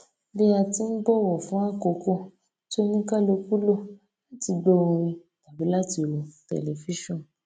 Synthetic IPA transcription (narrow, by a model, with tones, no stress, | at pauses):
bi˦a˧ti˧˦n̩˦bɔ˦˨wɔ˨fũ˨˦a˦˨ko˧ko˦ | to˦nĩ˦ka˦˨lo˧ku˦lo˦ | la˦ti˧ɡ͡bo˧ɔ̃˧ɾ̃ĩ˧ | ta˨bi˨˦la˦ti˧˨ɾo˨tɛ̰˨le˨fi˦ʃɔ̃˦˨n